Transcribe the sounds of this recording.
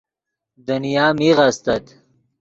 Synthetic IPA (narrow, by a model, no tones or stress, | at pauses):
d̪ənijaːmiɣast̪ɐt̪